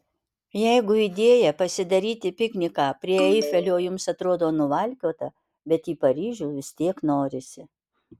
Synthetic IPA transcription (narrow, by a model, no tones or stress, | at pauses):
jɛɪɡʊid̪ʲeːjɛpɐsʲɪd̪ɐɾʲiːt̪ʲɪpʲɪknʲɪkɑːpʲɾʲiɛɛɪfʲɛlʲoːjʊmsɐt̪ɾoːd̪oːnʊʋɐlʲkʲoːt̪ɐ | bʲɛt̪iːpɐɾʲiːʒʲuːʋʲɪst̪ʲiɛknoːɾʲɪsʲɪ